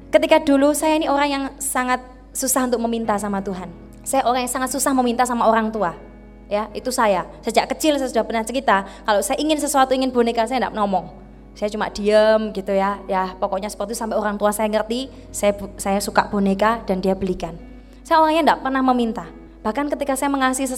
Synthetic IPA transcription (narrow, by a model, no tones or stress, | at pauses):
kət̪ikadulusajainioɾaŋjaŋsaŋat̪̚ | susahunt̪ʊk̚məmint̪asamat̪uɦan | sajaʔoɾaŋjaŋsaŋat̪̚susahməmint̪asamaoɾaŋt̪ua | jaʔit̪usajasəd͡ʒaʔkət͡ʃɪlsajasudahb̥ənart͡ʃəɾit̪akalosajaʔiŋɪnsəsuat̪uiŋɪnb̥o̤nekasajandaʔnɔmɔŋ | sajat͡ʃuma̰d̥i̤əmɡit̪ujajapɔkɔʔɲasə̥pərt̪it̪usampɛoɾaŋt̪uasajaŋərt̪i | sajabsajasuka̰ʔb̥o̤nekad̥andiabəlikan | sajaoɾaŋjaŋdaʔpərnahməmint̪a | b̥ahkankət̪ikasajaməŋasɪsə